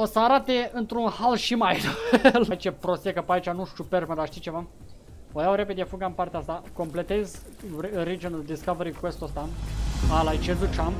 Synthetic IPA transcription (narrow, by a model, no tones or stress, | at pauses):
osəaɾat̪eɨnt̪ɾunhalʃimajllait͡ʃepɾosekəpait͡ʃanuʃʃuperməd̪aʃt̪it͡ʃe̞va | ojawɾe̞pe̞d̪ʲefuɡampaɾrt̪east̪ako̞mple̞t̪e̞z | ɾid͡ʒənd̪iskaveɾikwest̪ost̪aalajt͡ʃed̪ut͡ʃam